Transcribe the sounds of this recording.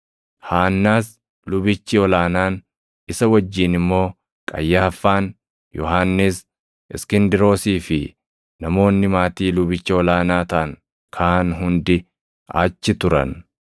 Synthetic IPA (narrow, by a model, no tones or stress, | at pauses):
haːnːaːs | lʊbɪt͡ʃːɪɔlaːnaːn | ɪsɐwɐd͡ʒːiːnɪmːo̞ː | kʼɐ̰jːaːfːaːn | jɔɦaːnːɪs | ɪskɪnd̪ɪɾo̞ːsiːfɪ | nɐmo̞ːnːɪmaːt̪iːlʊbɪt͡ʃːɪɔlaːnaːt̪ɐʔɐŋ | kʰaːnɦʊnd̪ɪ | a̰ːt͡ʃːɪt̪ʊɾɐ̰n